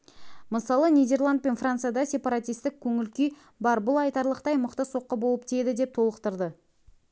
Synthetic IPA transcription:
məsɑlˠənijd̪e̞rlˠand̪̚pe̞nfrant̪sɨjad̪ɑsʲe̞pɑɾat̪ijst̪ɪk̚ʲʰɵŋɪlkʲi | bɑɾbʊlˠɑjt̪ɑɾlˠəqt̪ɑjməqt̪əso̞qːəbo̞lˠəp̚t̪ʰed̪ɪd̪e̞p̚t̪ʰo̞lˠəqt̪əɾd̪ə

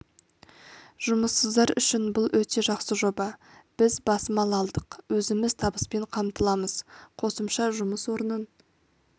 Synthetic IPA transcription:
ʒ̥ʊməsːəzd̪ɑɾʏʃɪnbʊlˠwɵt̪e̞ʒɑqsəʒo̞bɑ | b̥ɪzbɑsəmɑlˠɑlˠd̪əqwɵzɪmɪz̥t̪ʰɑbəspe̞ɴqʰɑmt̪əlˠɑməz̥qʰo̞səmʃɑʒʊməswo̞ɾənən

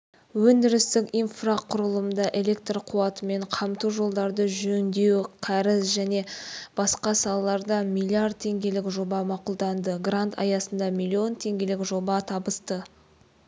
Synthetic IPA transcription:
wɵnd̪ɪɾɪst̪ɪkʲijnfraqʰʊɾəlˠəmd̪ɑʔe̞lʲe̞k̚t̪rqʰuɑt̪əme̞ɴqʰɑmt̪uwʒo̞lˠd̪ɑɾd̪əʒɵnd̪e̞wqʰæɾɪsʒæne̞b̥ɑsqɑsɑlˠɑlˠɑɾd̪ɑmilʲːiard̪̚t̪ʰːe̞ŋɡʲe̞lɪkʒo̞bɑmɑqʊlˠd̪ɑnd̪əɡrant̪ʰɑ̰jɑsənd̪ɑmilʲːio̞nt̪ʰe̞ŋɡʲe̞lɪkʒo̞bɑt̪ʰɑbəst̪ə

